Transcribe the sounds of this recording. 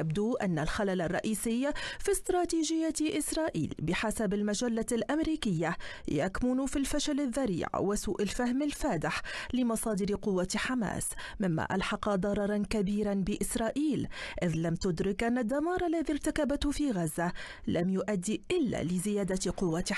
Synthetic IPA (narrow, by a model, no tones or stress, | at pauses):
abd̪uːʔanːalxalalarˤːɑʔiːsɪjːfist̪ɾˤɑːt̪iːʒɪjːaʔɪsɾˤɑːʔḭːlbɪħasabalmaʒalːalʔamɾiːkɪjːajakmʊnfilfaʃalaðːaɾḭːʕwasuːʔalfahmalfaːd̪ɪħlɪmɑsˤɑːd̪ɪɾqʊwːaħama̰ːsmɪmːa̰ʔa̰lħɑqɑd̪ˤɑɾˤɑɾˤɑnkabiːɾanbɪʔɪsɾˤɑːʔiːlʔɪðlamt̪ʊd̪ɾɪkʔanːad̪ːamɑːɾˤalːaðiɾˤt̪akabat̪hʊfiːɣazːa | lʔamjʊʔad̪ːiːʔɪlːa̰ːlɪzɪjaːd̪aqʊwːa